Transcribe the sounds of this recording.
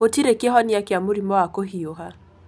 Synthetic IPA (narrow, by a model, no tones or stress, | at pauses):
otiɾekɛɦɔniakeamoɾimɔakoɦioɦa